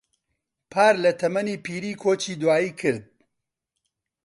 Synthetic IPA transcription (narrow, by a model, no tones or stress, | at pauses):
pʰaːɾlɐt̪ʰɐmɐniːpiːɾiːkʰoːt͡ʃiːd̪waːjiːkʰɨɾd̪̚